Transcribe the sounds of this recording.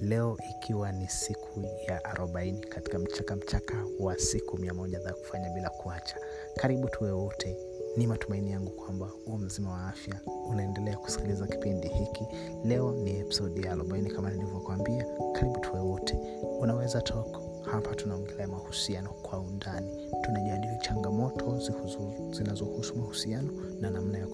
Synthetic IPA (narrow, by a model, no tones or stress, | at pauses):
lɛɔʔikʰiwanisikʰujaʔaɾʔɔɓainikati̥kam̩t͡ʃakam̩t͡ʃakawasikumiamɔʄaðaku̥faɲaɓilakuat͡ʃḁ | kaɾiɓutʰuwɛwɔtʰɛ | nimatumainijaŋɡukwamba | um̩zimawaafjaunaɛndɛlɛaku̥si̥kilizaki̥pindihiki | lɛɔniɛpi̥sɔɗijalɔ̰mbajɔnikamaniluvakuwambiakaɾiɓutʰuwɛwɔtʰɛ | unawɛzatʰɔkḁ | hapʰatunam̩ɡɛlaamahusianɔkwaundani | tunaʄaliɔt͡ʃaŋɡamɔtʰɔz | z̥inazɔhusumahusianɔ | nanam̩najak